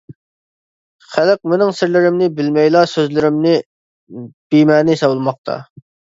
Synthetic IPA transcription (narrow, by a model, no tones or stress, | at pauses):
χælɪq̚mɪnɪŋsɪɾlɪɾɪmnɪbɪlmɛjlˠɑsøzlɪɾɪmnɪ | b̥imɛːnɪsɑwlˠmɑq̚t̪ʰɑ̰